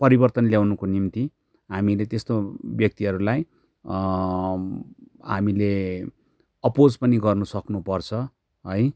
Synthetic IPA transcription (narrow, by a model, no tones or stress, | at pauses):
pʌɾibʌrt̪ʌnljawnukonimt̪i | ɦamilet̪est̪objʌk̚t̪iʌɾulaj | ɦamile | ʌpod͡zpʌniɡʌrnusʌknupʌrt͡sʰʌ | ɦʌj